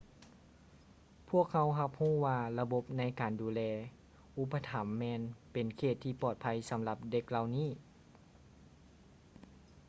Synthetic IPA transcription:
pʰu˥˩ək̚ha˧˥wɦa˧p̚huː˥˩waː˧la˧bo˧˥p̚na˧˥jkaː˨˩nduː˨˦lɛː˧ | ʔu˧˥pːa˧t̪ʰa˨˦mːɛː˧npe˨nkʰeː˧˩t̪ʰːiː˧pɔː˧˩t̪̚pʰa˧˥jsa˨˦mla˧p̚de˧˥k̚la˧wniː˥˩

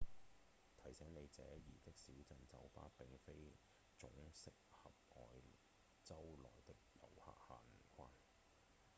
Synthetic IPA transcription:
t̪ʰɐ˨˩jsɛː˨˥ŋne˨˧jt͡sɛː˨˥jiː˨˩t̪ɪ˥k̚siː˨˥wt͡sɐ˨˧nt͡sɐ˨˥wfa̰ː˥t̚pɪ˨ŋfe˥j | t͡sʊ˨˥ŋsɪ˨˥k̚hɐ˨p̚ʔɔ̰ː˨j | t͡sɐ˥wlɔ̰ː˨˩jt̪ɪ˥k̚jɐ̰˨wha̰ː˨k̚haː˨˩m̩˨˩kʰʷaː˧˥n

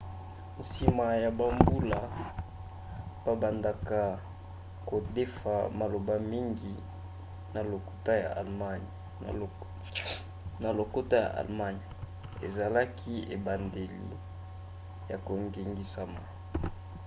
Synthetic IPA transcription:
n̩˨si˨ma˨ja˨ba˨mbu˦la˨ | b̥a˨ba˨nda˨ka˨ | ko˨de˦fa̰˨ma˨lo˨ba˦mi˦ŋɡi˨ | na˨lo˨ku̥˨ta˦ja̰˨a̰˨lma˦n˨ | na˨lo˨ko˦ta˦ja̰˨ʔa̰˨lma˦ɲ˨ | ḛ˨za˨la˦kʰi˦ḛ˨ba˨nde˨lḭ˨ | ja˨ko˨ŋɡe˨ŋɡi˦sa˨ma˨

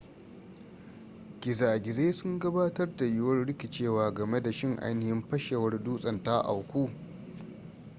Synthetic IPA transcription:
kʲɪ˨zaː˨ɡʲɪ˨zeː˦sʊ˦ŋɡɐ˦baː˦tɐ˦rda˨jʊ˦wɐ˦rɽɪ˦kʲi˨t͡ʃeː˦˨waː˦ɡɐ˨me˦da˨ʃɪ˦ŋʔa̰˦jnɪ˨hɪ˦mɸɐ˦ʃe˨wɐ˦rduː˦sʼɐ˨nta˦ʔa̰˨wkʷuː˦˨

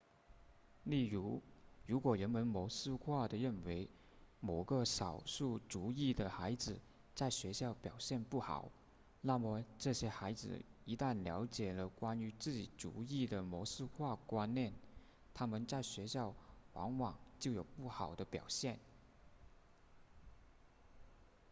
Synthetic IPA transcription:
li˥˩ɻu˧˥ɻu˧˥kwɔ˨˩ɻə˧˥nmə˧˥nmɔ˧˥sɹ̩˥˧kʰwa˥˩d̪ə˩ɻə˥˩nwe˧˥ɪ | mo˨˩ɡə˧ʂɑ˨˩ʊʂu˥˩t͡su˧˥i˥˩d̪ə˩xa˧˥ɪd͡zɹ̩˨˩ | t͡sa˥˩ɪɕɥɛ˧˥ɕjɑ˥˩ʊpjɑ˨˩ʊɕjɛ˥˧npu˥˩xɑ̰˨˩˦ʊ | na˥˩mə˩ʈ͡ʂɤ˥˩ɕjɛ˥xa˧˥ɪd͡zɹ̩̰˨˩i˧˥t̪a˥˩nljɑ˧˥ʊt͡ɕjɛ˨˩lə˦kwa˥ny˧˥t͡sɹ̩˥˩t͡ɕi˨˩t͡sṵ˧˥i˥˩d̪ə˩mɔ˧˥ʂɹ̩˥˧kʰwa˥˩kwa˥nnjɛ˥˩n | t̪ʰa˥mə˨nt͡sa˥˩ɪɕɥɛ˧˥ɕjɑ˥˩ʊwɑ̰˧˥ŋwɑ˨˩ŋt͡ɕjo˥˩ʊjo˨˩ʊpu˥˩xɑ˨˩ʊd̪ə˦pjɑ˨˩ʊɕjɛ˥˩n

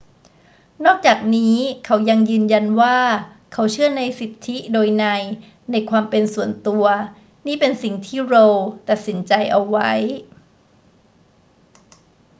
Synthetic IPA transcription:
nɔː˥˩k̚t͡ɕaː˨˩k̚niː˦˥kʰa˦˥wja˧ŋjɯː˧nja˧nwaː˥˩ | kʰa˦˥wt͡ɕʰɯ˥˩ɐna˧jsi˨˩t̪ʰːi˦˥doː˧jna˧j | na˧jkʰwaː˧mpe˧nsu˨˩ənt̪u˧ɐ | niː˥˩pe˧nsi˨˩ŋt̪ʰiː˥˩ɾo˧wt̪a˨˩t̪̚si˩˦nt͡ɕa˧jʔa˧wːa˦˥j

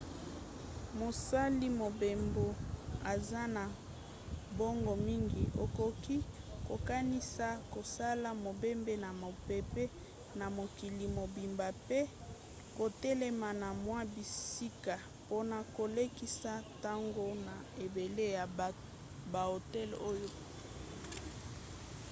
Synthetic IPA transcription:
mo˨sa˦li˦mo˨be˨mbo˨a˨za˦na˨ | bo˦ŋɡo˨mi˦ŋɡi˨ʔo˨ko˨ki˦ | ko˨ka˦ni˦sa˦ko˨sa˦la˦mo˨be˦mbe˦na˨mo˨pe˨pɛ˦ | na˨mo˨ki˨li˨mo˨bi˨mba˨pe˦ | ko˨tɛ˦lɛ˦ma˨na˨mwa˦bi˨si˦ka˨ | po˦na˨ko˨le˦ki˦sa˦ta˦ŋɡo˦na˨e˨be˨le˦ja˨ | ba˨o˨tɛ˦lo˦jo˦

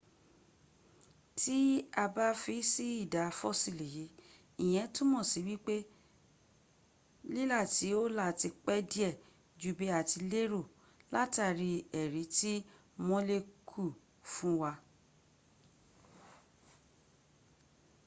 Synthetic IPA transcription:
ti˦a˧ba˦fi˨˧˦si˦i˦˨da˨˦˧fɔ˦si˦˨le˨je˨˦ | ĩ˨j̃ɛ̃˨˦tũ˦mɔ̃˦˨si˨˦wi˦k͡pe˦ | li˦la˦˨ti˨˦o˦la˦˨ti˧k͡pɛ˦di˦ɛ˦˨ | d͡ʒu˦be˨˦a˨ti˧le˦ɾo˦˨ | la˦ta˦˨ɾi˧ɛ˨ɾi˨˦ti˦ | mɔ̃˦le˧kʰu˦˨ | fũ˦wa˧

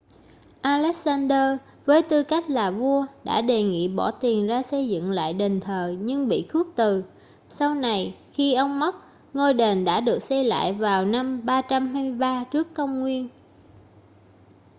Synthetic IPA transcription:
ʔaː˧lɛ˦˥k̚saː˧nɗəː˧ | vəː˨˦jt̪ɨ˧ka˦˥jk̟̚laː˨˩vu˧əɗa̰ː˧˥ɗe˨˩ŋḭ˧˨ɓɔ̰˧˩t̪i˨˩ənzaː˧sə˧jzɨ̰˧˨ŋla̰ː˧˨jɗe˨˩ŋt̪ʰəː˨˩ɲɨ˧ŋɓḭ˧˨xu˦˥ək̚t̪ɨ˨˩ | sa˧wna˨˩jxi˧ʔə˧wŋ͡mmə˦˥t̚ | ŋo˧jɗe˨˩nɗa̰ː˧˥ɗɨ˨˩ək̚sɛ˧jla̰ː˧˨jvaː˨˩wna˧mɓaː˧t͡ɕa˧mɦaː˧mɨ˧jɓaː˧t͡ɕɨ˦˥əkːə˧wŋ͡mŋwi˧ən

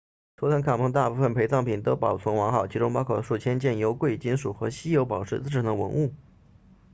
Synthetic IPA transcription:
t̪ʰo˧˥t̪ʰə˧˥ŋkʰa˨˩pʰɤ˧˥ŋt̪a˥˧pu˥˩ə˥˩npʰe˧˥ɪt͡sɑ˥˩ŋpʰi˨˩nt̪o˥ʊpɑ˨˩ʊt͡sʰwɤ˧˥ŋwɑ˧˥ŋxɑ˨˩ʊt͡ɕʰi˧˥ʈ͡ʂʊ˥ŋmɑ˥ʊkʰo˨˩ʂu˥˩t͡ɕʰjɛ˥nt͡ɕjɛ˥˩njo˧˥ʊkwe˥˩ɪt͡ɕi˥nʂu˨˩xɤ˧˥ɕi˥jo˧˥ʊpɑ˨˩ʊʈ͡ʂɻ̩˥˧˩t͡sɹ̩˥˩ʈ͡ʂʰə˨˥nd̪ə˧wə̰˧˥nu˥˩

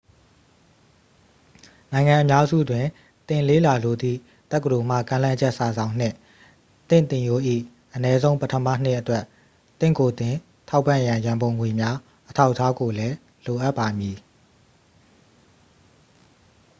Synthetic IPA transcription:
nã˨ɪ̃ŋã˨ʔəmja˦zṵ˦˨dwɪ̃˨ | t̪ɪ̃˨le˦˨la˨lo˨d̪ðḭ˦˨ | t̪ɛ˦kːədo˨m̥ä̰˦˨kã˦lã˦d͡ʑɛ˦ʔsa˨zã˨ʊ̃n̥ɪ̰̃˦˨ | t̪ɪ̰̃˦˨nt̪ɪ̃˨jo˦ʔḭ˦˨ | ʔənɛ˦zõ˦ʊ̃mpətʰəma̰˦˨n̥ɪ˦ʔətwɛ˦ʔ | t̪ɪ̰̃˦˨ko˨t̪ɪ̃˨ | tʰa˦ʊpːã˦˨jã˨jã˨mbõ˨ʊ̃ŋwe˨mja˦ | ʔətʰa˦ʊʔətʰːa˦ɡo˨lɛ˦ | lo˨ʔa˦ʔpːa˨mji˨

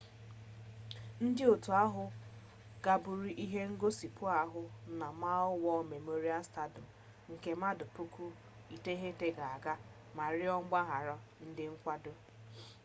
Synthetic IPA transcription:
n̩˦dɪ˦o˨tu˨a˦ɦʊ˦ | ɡ̥a˨bʊ˨ɾi˨ʔi˦ɦe˦ŋ̩˦ɡo˦si˨pʊ˦a˦ɦʊ˦na˨ma˦ʊ˦wɔ˦me˨mo˦ɾi˦a˦sta˦dʊ˨ | ŋ̩˨ke˨ma˦dʊ˨pu˦kʰu˦ | i˨te˦ɦe˦te˦ɡa˨a˨ɡa˦ | ma˨ɾɪ˦ɔ˦ŋ͡m̩˦ɡ͡ba˦ɦa˨ɾɔ˦ | n̩˦dɪ˦ŋ̩˦kʷa˦dʊ˦

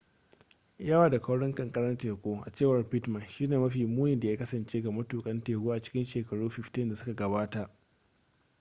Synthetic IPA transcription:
jɐ˦waː˨da˨kɐ˦wɽɪ˦ŋkʼɐ˨ŋkʼɐ˦ɽɐ˦rteː˨kʷoː˦ʔa̰˨t͡ʃeː˦˨wɐ˨rɸɪ˦tmɐ˨nʃiː˦neː˨mɐ˦ɸiː˨muː˦jɪ˨nda˨jaː˦kɐ˦sɐ˨nt͡ʃeː˦ɡa˨mɐ˦tuː˨kʼɐ˦nteː˨kʷoː˦ʔa˨t͡ʃɪ̥˦kʲɪ˦nʃeː˨kɐ˨ɽuː˦ɸɪ˨ɸtɪ˦nda˨sʊ˦ka˨ɡɐ˨baː˦ta˨ʔ

